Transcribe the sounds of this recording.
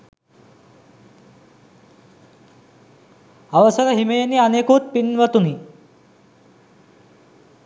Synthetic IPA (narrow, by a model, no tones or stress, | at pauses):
aʋɐsɐɾɐɦimejnianekut̪̚pinʋɐt̪uni